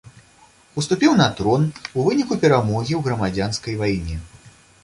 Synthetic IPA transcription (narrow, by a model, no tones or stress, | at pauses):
ust̪upʲiwnɐt̪ɾɔnuvɨnʲikupʲɛɾamɔɣʲiwɣɾɐmad͡zʲanskɐjvajnʲɛ